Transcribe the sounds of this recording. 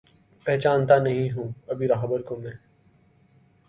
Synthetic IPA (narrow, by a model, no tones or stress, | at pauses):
pɛɦt͡ʃaːnt̪anɐɦĩɦũːɐbʱiɾaːɦbəɾkomɛ̃ː